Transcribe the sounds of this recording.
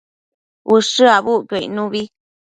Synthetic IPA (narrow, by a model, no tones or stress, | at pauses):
ʔuʂɨaβuʔkoḭnũβi